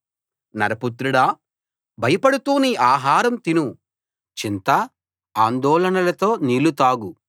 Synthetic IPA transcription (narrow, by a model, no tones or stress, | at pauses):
nɐ̰ɾɐput̪ɾuɽaː | bʱɐjɐpɐɽut̪uːniʔaːɦaːɾɐmt̪inu | t͡ʃint̪ɐ | aːnd̪ɔːlɐnɐlɐt̪oːniːlut̪aːɡu